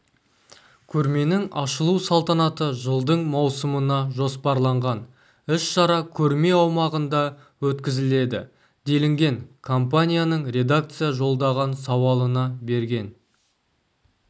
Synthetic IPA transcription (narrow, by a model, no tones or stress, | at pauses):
kʲʰɵɾme̞nɪŋɑʃəlˠusɑlˠt̪ɑnɑt̪əʒəlˠd̪əɴmɑwsəmənɑʒo̞spɑɾlˠɑɴʁɑn | ɪʃʃɑɾɑkʲʰɵɾme̞ɑwmɑʁənd̪ɑ | wɵt̪kʲɪzɪle̞d̪ɪ | d̪e̞lɪŋɡʲe̞ŋkʰompanʲijanəɴɾʲe̞d̪ak̚t̪sɨjaʒo̞lˠd̪ɑʁɑnsɑwɑlˠənɑbe̞ɾɡʲe̞n